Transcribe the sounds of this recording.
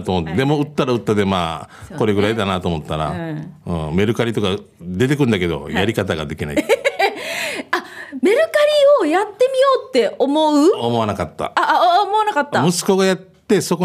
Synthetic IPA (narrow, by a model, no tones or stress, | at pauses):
t̪omot̪ːd̪e̞mo̞ɯ̟t̪ːaɾaɯ̟t̪ːad̪e̞maːko̞ɾe̞ɡɯ̟ɾaid̪anat̪o̞ːmo̞t̪ːaɾa̰ɯ̰̃ːme̞ɾɯ̟kaɾʲit̪o̞ka | d̪e̞t̪e̞k̬ɯ̟̃nd̪ake̞d̪o̞̰jaɾʲikat̪̬aɡa̰d̪e̞kʲinaḭ | ame̞ɾɯ̟kaɾʲio̞jat̪ːe̞mʲijo̞ːt̪ːe̞o̞mo̞ɯ̟omo̞anakat̪ːa̰omo̞anakat̪ːamɯ̟sɨ̥ko̞ɡajat̪ːe̞so̞ko